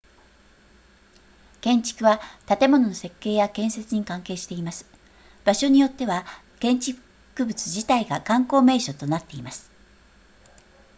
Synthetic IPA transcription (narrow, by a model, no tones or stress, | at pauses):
kẽ̞ɲt͡ɕi̥kɯ̟βat̪at̪e̞mo̞no̞no̞se̞kːe̞ːjakẽ̞ɰ̃se̞t͡sɨɲ̟ikãŋke̞ːɕi̥t̪e̞imasɨ̥ | b̥aɕo̞ɲ̟ijo̞t̪ːe̞βa | kẽ̞ɲ̟t͡ɕiɸɯ̥ | kɯ̟bɯ̟t͡sɨ̥ʑit̪aiɡakãŋko̞ːme̞ːɕo̞t̪o̞nat̪ːe̞imasɨ̥